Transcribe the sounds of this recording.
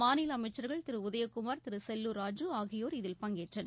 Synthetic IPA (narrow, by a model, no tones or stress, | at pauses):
aːnɪlɐmɐɪt͡ʃːɐɾɣɐɭt̪ɪɾɯʊðɐjɐkːʊmaːɾt̪ɪɾɯsɛlːuɾaːd͡ʒuaːɣɪjoːɾɪðɪlpɐŋɡeːʈrɐn